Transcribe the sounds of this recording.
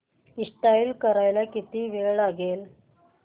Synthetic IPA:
iʂʈailkəɾajlakit̪iːʋeɭaɡel

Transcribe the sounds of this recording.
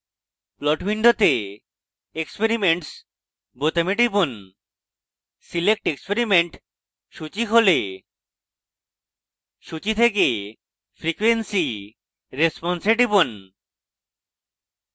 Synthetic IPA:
plɔʈbiɳɖʱot̪e | ekspeɾimeɳʈs | bot̪ameʈibon | silek̚ʈekspeɾimeɳʈ | ʃut͡ɕiɦole | ʃut͡ɕit̪ʰeke | fʰɾikuwensi | ɾespɔnseʈibon

